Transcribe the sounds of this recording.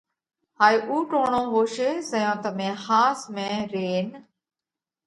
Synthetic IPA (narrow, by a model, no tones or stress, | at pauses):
haːiːʔuːʈõːɳõːʋoːʃeːsəjõːt̪əmẽːhaːsmẽːɾeːn